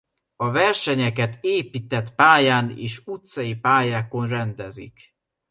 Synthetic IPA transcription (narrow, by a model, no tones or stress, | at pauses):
ɒvɛrʃɛɲɛkɛt̪eːpit̪ɛt̪paːjaːnḛːʃut̪sɒjipaːjaːko̞nrɛnd̪ɛzḭk